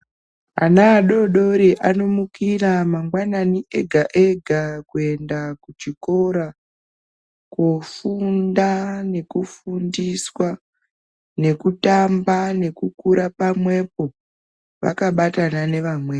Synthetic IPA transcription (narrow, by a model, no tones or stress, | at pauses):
a̰naːɗo̞ɗo̞ɾiʔano̞mukiramaŋɡwananiʔe̞ɡʱaʔeɡʱakue̞ndakut͡ʃiko̞ɾa | kofundane̞kufundiswa | ne̞kutambane̞kukuɾapamwe̞p̚o̞ | ʋa̰kaɓatanane̞ʋamweː